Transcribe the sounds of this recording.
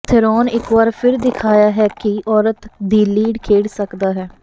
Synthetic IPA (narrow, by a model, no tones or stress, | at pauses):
t̪ʰɪɾoːnɪkʋaɾpʰɪɾd̪ɪkʰaːjaːɦɛːkiʔɔːɾət̪d̪iːliːɖkʰeːɽsəkd̪aːɦɛː